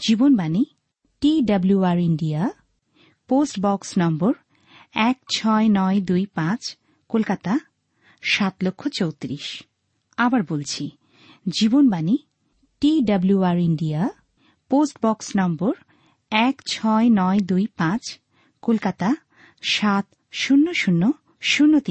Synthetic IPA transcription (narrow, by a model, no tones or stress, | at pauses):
d͡ʑibonbani | ʈiɖabluaɾiɳɖia | posʈbɔksnɔmboɾ | ɛkt͡ɕʰɔenɔed̪ujpãt͡ɕ | kolkat̪a | ʃat̪lokʰːot͡ɕowt̪ɾiʃ | abaɾbolt͡ɕʰi | d͡ʑibonbani | ʈiɖabluaɾiɳɖia | posʈbɔksnɔmboɾ | ɛkt͡ɕʰɔenɔed̪ujpãt͡ɕ | kolkat̪a | ʃat̪ | ʃunːoʃunːo | ʃunːot̪i